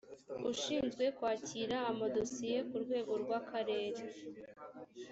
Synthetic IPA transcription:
ṵʃiːnzɡwe̞kwaːciɾaːmado̞sije̞kuɾɡwe̞ːɡo̞ɾɡwakʰaɾe̞ːɾe

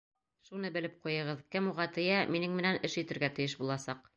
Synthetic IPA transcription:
ʃunɤbɘ̆lɘp̚qujɤ̆ʁɤðkɘmuʁɑt̪ɘ̆jæminɘŋmɘ̆nænɘʃjɘ̆t̪ɘ̆ɾɡæt̪ɘ̆jɘʃ̬bulˠɑsɑq̚

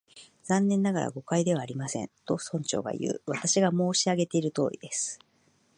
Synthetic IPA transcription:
zãnːẽ̞nːaɡaɾʔa̰ɡo̞kaid̪e̞β̞aːɾʲimasẽ̞̰nt̪o̞sõ̞ɲ̟t͡ɕo̞̰ːɡa̰ijɯ̟̰ːβat̪aɕiɡamo̞ːɕiaɡe̞t̪e̞iɾɯ̟t̪o̞̰ːɾʲḭd̪e̞sɨ̥

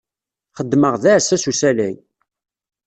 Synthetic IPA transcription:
χəd̪ːməʁðæʕsæsusælæj

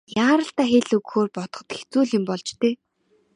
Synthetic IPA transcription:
jaːɾə̆ɬt̪aːxeɮɵɣxoːrpɔt̪̆ɞ̆t̪xe̥t͡suːɮɪ̆mpɔɮt͡ɕt̪ʰeː

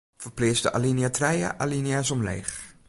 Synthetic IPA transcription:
fərplɪəsdəʔa̰liniatʰrɛjə̰ʔalinjasɔmlḛːx

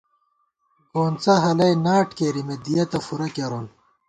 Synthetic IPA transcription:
ɡoːnt͡sɐɦɐlɐjnaːʈkeɾimed̪ijɐt̪ɐfuɾɐkeɾoːn

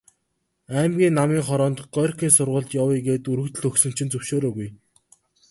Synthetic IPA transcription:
æːmɡʲiːnːamiːŋχɔɾɔːnt̪ɢ̥œrkʲiːnsʊrʁʊ̆ːɮt̪jawiɡeːt̪uɾɵ̆kt̪ɘ̆ɮɵksɵ̆m̥t͡ɕʰĭnt͡sɵwʃoːɾoːɣuj

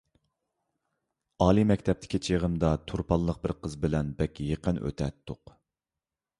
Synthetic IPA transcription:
ɑːlˠimɛkʲt̪ʰɛp̚t̪ʰɪ̥kʲit͡ʃʰeʁəmd̪ɑt̪ʰuɾpʰɑlˠːəq̚bɪɾqʰəzbɪlɛnbɛkʲjeqənʔø̰t̪ʰɛt̪ʰːʊq

